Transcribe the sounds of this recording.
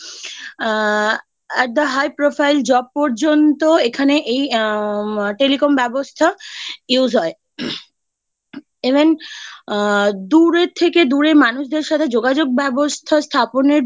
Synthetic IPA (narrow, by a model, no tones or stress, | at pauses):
ɛʈ̚d̪əɦajpɾofʰajld͡ʑɔb̚pɔɾd͡ʑont̪oekʰaneʔej | ʈelikombɛbost̪ʰajuzʱɦɔe | iven | d̪uɾet̪ʰːeked̪uɾemanuʃd̪eɾʃat̪ʰed͡ʑoɡad͡ʑoɡ̚bɛbost̪ʰast̪ʰaponeɾ